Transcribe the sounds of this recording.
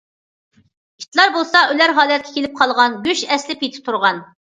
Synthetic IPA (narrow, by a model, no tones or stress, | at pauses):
kʲʰi̥t̪lˠɑɾbolˠsɑʔølæɾɦɑːlɛt̪̚kʲʰɛ̥kʲʰelɪp̚qʰɑlˠʁɑnɡʲyʃɛslɪpet̪ʰɪ̥p̚t̪ʰuɾʁɑn